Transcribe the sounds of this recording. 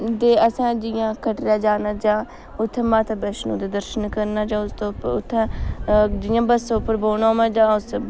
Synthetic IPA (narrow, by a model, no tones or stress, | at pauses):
d̪eːəsãːd͡ʒɪjãːkʰəʈɾjaːd͡ʒaːnaːd͡ʒãː | ʊt̪ʰːɛ̃ːmaːt̪ʰabəʃnũːd̪eːd̪əɾʃənkəɾnaːd͡ʒãːʊst̪oʊt̪ʰːãː | d͡ʒɪjãːbəsʊpːəɾboːnãːmɛ̃ːd͡ʒãːʊs